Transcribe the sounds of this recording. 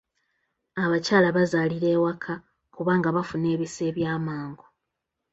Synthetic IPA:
aβacaːlaβazaːliɾe̞ːwakʰa | kuβaːŋɡaβafune̞ːβise̞ːβjaːmaːŋɡo

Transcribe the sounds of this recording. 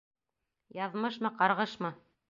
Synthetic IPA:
jɑðmɤʃmɤqɑɾʁɤʃmɤ

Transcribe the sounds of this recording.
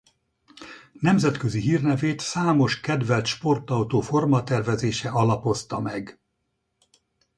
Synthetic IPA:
nɛmzɛt̪køziɦiːrnɛveːt̪saːmo̞ʃkɛd̪vɛlt̪ʃpo̞rt̪ɒwt̪oːfo̞rmɒt̪ɛrvɛzeːʃɛɒlɒpo̞st̪ɒmɛɡ

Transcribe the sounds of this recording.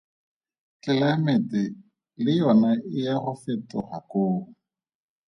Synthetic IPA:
kɪlamɛtʼɪ | lɪjɔnaɪjaɣʊfɛtʼɔ̰χa̰koːŋʊ

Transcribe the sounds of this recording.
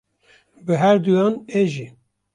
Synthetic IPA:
bɨɦæɾd̪ujɑːneʒi

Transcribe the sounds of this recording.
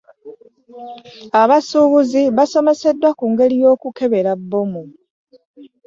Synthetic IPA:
aβasuβuziβaso̞me̞se̞dːwakuːŋɡe̞lijo̞ːkuke̞βe̞ɾabːo̞mu

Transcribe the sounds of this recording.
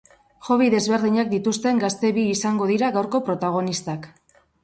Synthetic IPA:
ʝo̞βiðe̞zβe̞ɾðiɲak̚d̪it̪ust̪e̞ŋɡast̪e̞βiːsaŋɡo̞ðiɾaɣawɾko̞pɾot̪aɣ̞o̞nist̪ak

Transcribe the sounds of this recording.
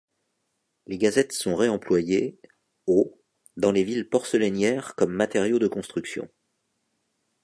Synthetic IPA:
leɡazɛt̪sɔ̃ʁeɑ̃plwaje | o | d̪ɑ̃levilpɔʁsəlɛnjɛʁkɔmːat̪ɛʁjod̪əkɔ̃st̪χyksjɔ̰̃

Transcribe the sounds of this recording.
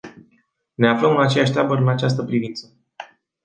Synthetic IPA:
ne̞afləmɨnat͡ʃe̞jaʃ̬ʲt̪ɾabəɾɨnat͡ʃas̬t̪əpɾivint̪sə

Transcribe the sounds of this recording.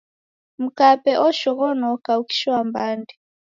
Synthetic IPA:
m̩kapɛʔɔʃɔɣɔnɔkauki̥ʃambandi

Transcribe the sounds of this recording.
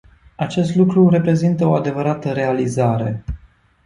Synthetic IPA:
at͡ʃe̞st̪lukɾure̞pɾe̞zint̪əoad̪e̞vəɾat̪əɾe̞alizaɾe̞

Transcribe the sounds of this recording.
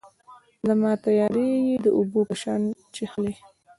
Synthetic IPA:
zamɑt̪ajɑɾejed̪əʔubopəʃɑnt͡ʃexle

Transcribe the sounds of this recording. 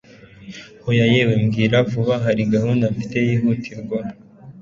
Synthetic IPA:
hojajewe̞mɡiːɾavuβaɦaɾiɡahundafi̥te̞jiːɦutʰiɾɡwa

